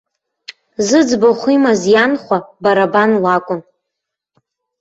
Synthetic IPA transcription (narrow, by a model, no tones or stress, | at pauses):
zɨd͡zbaχʷimazjanχʷabaɾabanlakʷʼʊn